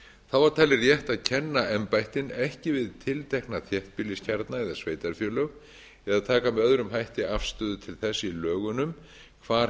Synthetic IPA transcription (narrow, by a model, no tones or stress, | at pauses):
θaðvaɾ̥t̪ʰaːjlɪrjɛht̪aðcʰɛnːaɛmpajht̪ɪnɛhcɪvɪðt̪ʰɪlt̪ʰɛjhknaθjɛht̪̚pɪlɪscʰaɾt̪naɛðasveːjt̪aɾ̥fjœːlœɣ | ɛðaðt̪ʰaːkamɛðœðɾʏmɦajht̪ɪafst̪œːðʏt̪ʰɪlθɛsːɪilœːɣʏnʏm | kʰvaːɾ